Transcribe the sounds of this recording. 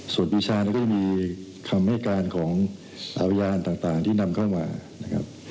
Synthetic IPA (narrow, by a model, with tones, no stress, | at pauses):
su˨˩ət̚wiː˧˥t͡ɕʰaː˧nː˧˥kɔː˥˩a˨˩˨miː˧ | kʰa˧mhɛː˥˩t̪̚kaː˧nkʰɔː˩˦ŋ | ʔa˧pʰa˧jaː˧nt̪aː˨˩ŋt̪aː˨˩ŋt̪ʰiː˥˩na˧mkʰa˥˩wmaː˧na˦˥kʰa̰˦˥p̚